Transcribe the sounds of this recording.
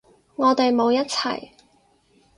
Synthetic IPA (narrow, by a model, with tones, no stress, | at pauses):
ŋɔː˨˧t̪e˨jmo˨˧wjɐ˥t̚t͡sʰɐ̰˨˩j